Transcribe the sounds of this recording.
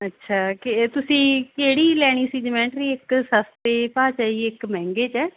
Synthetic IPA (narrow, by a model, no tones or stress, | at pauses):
ətːʃʰaːket̪ʊsĩːkeːɽiːlɛːɽ̃iːsiːd͡ʒəmɛ̃ːɳʈɾiːɪksəst̪eːpaːt͡ʃaːiːɪkmɛ̃ːŋɡeːt͡ʃɛː